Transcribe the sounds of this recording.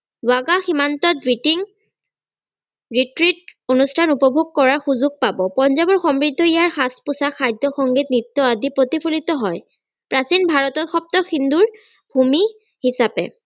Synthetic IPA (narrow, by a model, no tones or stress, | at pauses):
aɡaximantɔt̚bɹitiŋ | ɹitɹit̚onustʰanupɔbʱuɡ̚kɔɹaɹxuzuɡ̚pabɔpɔnzabɔɹxɔmɹidʱːɔijaɹxaspʊsaxʰajdʱɔxɔŋɡit̚nit̪ːɔadipɹotipʰulit̪ɔɦɔj | pɹasinbʱaɹɔtɔtxɔp̚t̪ɔxinduɹ | bʱumi | hisapɛ̰